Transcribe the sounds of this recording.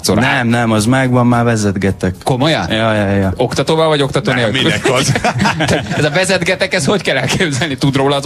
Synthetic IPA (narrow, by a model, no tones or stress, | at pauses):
sonɛmnɛmɒzmɛɡʋɒmːaːvɛzɛd̪ɡɛt̪ɛkko̞mojɒnjɒjjjɒo̞kt̪ɒt̪oːvɒvɒɟo̞kt̪ɒt̪oːneːlmiyɛkɒz | ɛzɒvɛzɛd̪ɡɛt̪ɛkɛsho̞ckɛlɛlkeːbzɛlnit̪ud̪roːlɒːz